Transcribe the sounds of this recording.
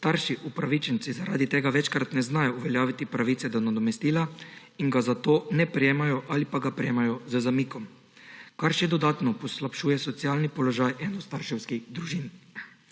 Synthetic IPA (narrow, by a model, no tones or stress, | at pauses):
st̪aɾʃiʔupɾaʋit͡ʃɛnt̪sizaɾa̰ːd̪it̪eːɡaʋɛt͡ʃkɾat̪nɛznajɔuʋɛljaːʋit̪ipɾaʋiːt̪sɛd̪ɔnad̪ɔmɛst̪iːla | inɡazat̪oːnɛpɾɛjeːmajɔʔalipaɡapɾɛjeːmajɔzəzamiːkɔm | kaɾʃɛd̪ɔd̪aːt̪nɔpɔslapʃuːjɛsɔt̪sijaːlnipɔlɔʒajɛnɔst̪aɾʃɛwskiɣd̪ɾuʒin